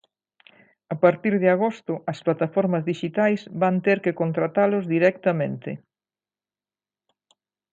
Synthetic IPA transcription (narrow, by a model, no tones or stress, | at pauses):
apaɾt̪iɾðɪaɣ̞ost̪ʊɐsplat̪afɔɾmɐzðiʃit̪ajzβant̪eɾkɪkont̪ɾat̪alʊzðiɾɛk̚t̪ɐmẽnt̪ɪ